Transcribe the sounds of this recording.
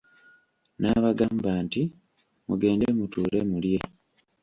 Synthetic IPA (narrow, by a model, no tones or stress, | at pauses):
naːβaɡaːmbaːnti | mṵɡe̞ːndemutuːle̞mulje̞